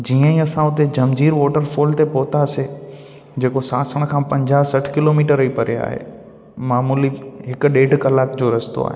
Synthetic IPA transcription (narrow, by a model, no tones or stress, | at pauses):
d͡ʑiːə̃ĩːɐsãʊt̪ed͡ʑɐmd͡ʑiːɾʋoːʈəɾfoːlt̪epoːt̪ase | d͡ʑeːkosaːsəɽ̃kʰãːpɐ̃ɲd͡ʑaːɦsɐʈʰkɪloːmiːʈəɾəipɐɾea̰ːɦḛː | maːmuːliɦɪkʊ̆ɗeːɖkɐlaːkd͡ʑoːɾɐst̪o̰a̰ːɦeː